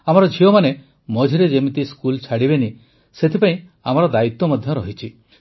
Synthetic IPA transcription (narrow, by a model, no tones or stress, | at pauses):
amɔɾɔd͡ʒʱiomane | mɔd͡ʒʱiɾed͡ʒemit̪iskult͡ʃʰaɽibeni | set̪ʰipaĩ | amɔɾɔd̪ait̪ːɔmɔd̪ʱjɔɾɔɦit͡ʃʰi